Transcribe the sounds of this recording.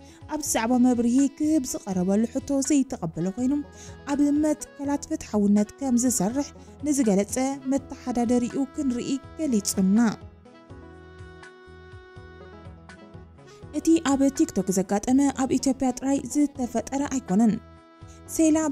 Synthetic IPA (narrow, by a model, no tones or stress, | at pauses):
ʔaβzɨzaʕβamɐβɾihikʰɨhɨbzɨqʼɐɾɐβɐlːuħɨt̪ʰːo̞zɐjt̪ʰːɐxʼɐbːɐlɐkʰʷo̞jnom | ʔaβɨmːɐt̪kʰɐlat̪fɨt̪ħawɨnːɐt̪kʰɐmzɨsɐrːɨħ | nɨzɨɡɐlɐt͡sʼɐmɐt̪ʰːɐħad̪ad̪ɐɾiʔukʰɨnɾiʔiɡ̥ɐlit͡sʼunːa | ʔɨt̪ʰiʔaβt̪ʰikt̪ʰo̞kzɐɡːat̪ʼɐmɐʔaβʔit̪ʰjo̞pʼjat̪ʼɨɾajzɨt̪ʰːɐfɐt̪ʼːɐɾɐʔajkʰo̞nɐn | sela